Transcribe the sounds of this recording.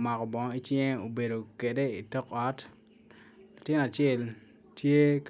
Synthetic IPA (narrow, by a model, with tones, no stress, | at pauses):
ma˨kɔ˨bɔ˨ŋ˦i˦t͡ʃɪ˦ŋ˦o˨be˨do˨ke˨de˦i˨tɔ˦kɔ˦t | la˨tɪ˦na˨t͡ʃɛ˦l | tje˦k